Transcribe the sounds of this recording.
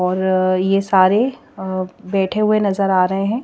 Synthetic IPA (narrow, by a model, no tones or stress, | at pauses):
ɔːɾjesaːɾe | bɛːʈʰeɦʊenɐzəɾaːɾɐɦeɦɛ̃ː